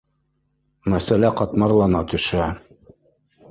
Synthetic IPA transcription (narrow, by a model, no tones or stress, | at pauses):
mæsælæqɑt̪mɑɾlˠɑnɑt̪ɵ̆ʃæ